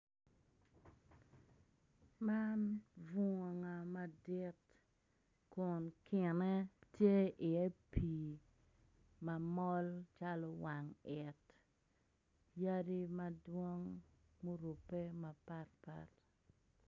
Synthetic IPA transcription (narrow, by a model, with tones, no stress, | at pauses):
ma˦nvu˦ŋo˨ŋa˨ma˨di˦t | kʊ˨nkʰɪ˨nɛ˦tje˦ʔɪ˨ɛ˦pʰi˨ | ma˨mɔ˦lt͡ʃa˦lɔ˨wa˨ŋɛ˨t | ja˦di˦ma˨dwɔ˦ŋ | mu˦ɾu˨pe˦ma˨pa˦tpa̰˦t